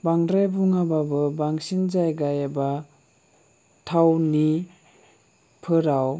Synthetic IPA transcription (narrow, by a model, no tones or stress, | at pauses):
baŋdɾajbuŋababɯbaŋsind͡ʒajɡajaba | tʰawni | pʰɯɾaw